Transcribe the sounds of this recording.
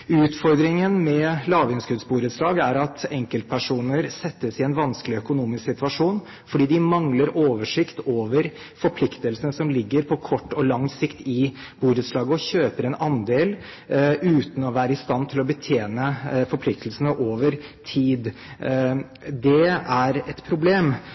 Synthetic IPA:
ʉːt̪fɔɾd̪ɾɪŋənmɛlɑːʋʏnskʉd̪sbuːɾt̪slɑːɡəæɾɑt̪ɛŋkəlt̪̚pʰæʂuːnəɾsɛt̪ːəsɪɛnʋɑnsklɪœkʊnuːmɪsksɪt̪ʉʋɑʂuːn | fɔɖiːd̪ɪmɑŋləɾʔoːʋəʂɪkt̪ʰoːʋəɾ | fɔɾpʰlɪkt̪əlsənəsɔmlɪɡːəɾpʰɔkʰɔʈːɔlɑŋsɪkt̪ɪb̥uːɾət̪slɑːɡəɔɕøːpəɾɛnɑnd̪eːl | ʉːt̪n̩ɔʋæːɾəɪst̪ɑnːt̪ʰɪlɔbət̪ʰjeːnəfɔɾplɪk̚t̪ʰl̩sənəʔoːʋəɾt̪ʰiːd̪ | d̪ɛæɾɛt̪pʰɾʊbleːm

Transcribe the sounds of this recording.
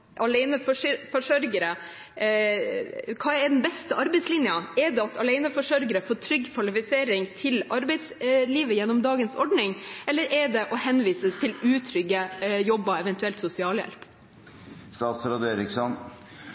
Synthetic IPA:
ʔɑlɛɪnəfɔʂfɔʂœɾɡəɾə | kʰɑːɛɖɛnbɛst̪əʔɑɾbɛɪt̪slɪnjəɛɖɛɑt̪ʰɑlɛɪnəfɔʂœɾɡəɾəfoːʈʰɾʏɡkʰʋɑlɪfɪseːɾɪŋt̪ʰɪlɑɾbɛɪt̪sliːʋəjɛnːɔmd̪ɑːɡənsɔɖnɪŋʔɛlːəɾʔɛɖɛʔɔhɛnʋiːsəst̪ʰɪlʉːt̪ʰɾʏɡəjɔbːɑɛʋɛnt̪ʉɛlt̪sʊsɪɑːljɛ̰lp | st̪ɑːt̪sɾɑd̪eːɾɪksɔn

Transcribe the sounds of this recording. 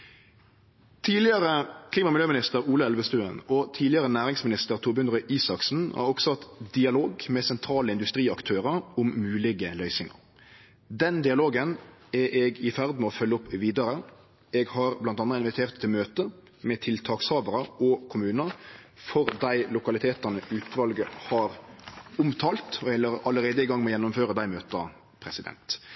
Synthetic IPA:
t̪ʰiːlɪəɾəkʰliːmɑmɪljøːmɪnɪst̪əɾuːləɛlʋəst̪ʉːənɔt̪ʰiːlɪɑʁənæːʁɪŋsmɪnɪst̪əʁt̪ʰʊːbʏnʁəʔiːsɑksn̩hɑ̰ɾɔɡsɔt̪d̪ɪɑloːɡmɛsɛnt̪ʰɾɑːləɪnd̪ʉst̪ɾiːɑkt̪ʰøːʁəɾʊmːʉːlɪɡəlœʏsɪŋə̰ɾ | d̪ɛnd̪ɪɑloːɡənɛʔɛɡɪfæʁd̪mɛɔfœlːəʊpːʋiːd̪ɑɾə | ɛɡhɑɾblɑnt̪ɑnːəɪnʋɪt̪ʰeːʁt̪ʰːɪlmøːt̪ə | mɛt̪ʰɪlt̪ʰɑːkshɑːʋəɾəɔkʰʊmʉːnə | fɔɾd̪æɪlʊkɑlɪt̪ʰeːt̪ənəʔʉːt̪ʰʋɑlɡəhɑɾʊmt̪ʰɑːlt̪ɔɛlːəɾɑləɾeːd̪əɪɡɑŋːmɔjɛnːʊmføːɾəd̪æɪmøːt̪ə | pʰɾɛsɪd̪ɛ̰nt̪

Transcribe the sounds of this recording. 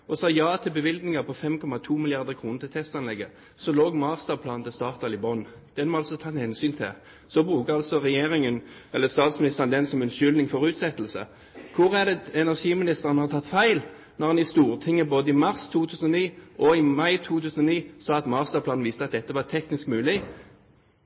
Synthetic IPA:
ɔsɑːjɑːt̪ʰɪlbəʋɪld̪nɪŋɑpʰɔfɛmkʰɔmɑt̪ʰuːmɪlɪɑʁd̪əkʰʁuːnət̪ɪlt̪ʰɛst̪ɑnlɛɡːə | sɔloːɡmɑʁst̪ɑpʰlɑːnnt̪ʰɪst̪ɑːʁt̪ɑlɪbɔn | d̪̥ɛnmɑlsɔt̪ʰɑhɛnsyːnt̪ʰɪ̰ | sɔbʁʉːkəɑlsɔʁɛjeːʁɪŋənɛlːəst̪ɑːt̪smɪnɪst̪əʁnd̪ɛnsɔmɛnʃʏld̪ɪŋfɔʁʉːt̪sɛt̪ːlsə̰ | kʰʊʁæd̪ɛɛnæʁʂiːmɪnɪst̪əʁənhɑʁt̪ʰɑt̪ːfæɪl | nɔʁɑnɪst̪uːʁt̪ʰɪŋːəboːd̪əɪmɑʁst̪ʰuːt̪ʰʉːsənɔniːʔɔɪmɑɪt̪ʰuːt̪ʰʉːsənɔniːsɑːɑt̪mɑːst̪ɑpʰlɑːnn̩ʋiːst̪əɑt̪̚d̪ɛt̪ːəʋɑt̪ʰɛknɪskmʉːlɪ

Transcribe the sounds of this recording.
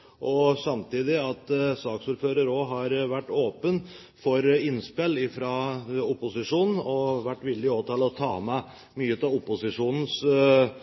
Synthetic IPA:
ʔɔsɑmt̪iːd̪ɪɑt̪sɑːksʊːɾføːɾəɾɔɦɑɾʋæʈːoːpən | fɔɾɪnspɛlːɪfɾɑʊpʊsɪʂuːnn̩ɔʋæʈːʋɪld̪ɪoːt̪ʰɑːlɔt̪ʰɑ̰ːmɛ | myːət̪ɑʊpʊsɪʂuːnn̩s

